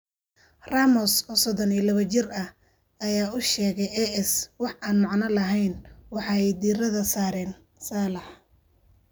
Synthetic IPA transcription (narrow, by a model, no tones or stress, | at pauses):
raːmɔsɔːsɔðɔniːlɐβɐt͡ʃɪrɐh | ɐjaːʊʃɛːɣɛjɛɛswɑħʔaːnmɑʕnɐlɐɦɛjnwɑħɑːɛjd̪iːrɐðɐsaːɾɛːn | saːlɐħ